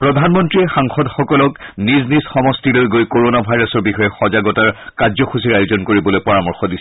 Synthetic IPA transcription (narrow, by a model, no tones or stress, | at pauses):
pɹɔdʱanmɔntɹiɛxaŋxɔdxɔkɔlɔkniznizxɔmɔstilojɡojkoɹonabʱajɹɔsɔɹbixɔjɛxɔzaɡɔtaɹkazɔxusiɹajozɔnkoɹibɔlojpɔɹamɔɹxɔdis